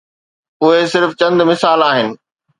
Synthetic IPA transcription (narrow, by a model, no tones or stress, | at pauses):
ʊɦesɪɾft͡ɕɐ̃nd̪mɪsaːlaːɦɪnɪ̆